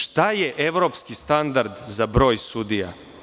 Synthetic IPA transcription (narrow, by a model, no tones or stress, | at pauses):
ʃt̪ajeʔeʋɾo̞pskist̪and̪aɾd̪zabɾo̞ːjsud̪ija̰